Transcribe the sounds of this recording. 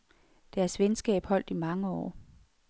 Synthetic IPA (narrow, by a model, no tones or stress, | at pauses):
d̥æɐsʋensɡ̥ɛ̰ːb̥hɒ̽l̰d̥imɑ̈ŋəɒ̰ː